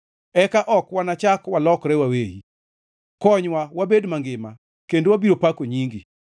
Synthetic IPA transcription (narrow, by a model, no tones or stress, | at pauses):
ɛkaʔɔkwanat͡ʃakwalɔkɾɛwawejḭ | kɔɲwawabedmaŋɡɪma̰ | kendowabiɾopakoɲiŋɡi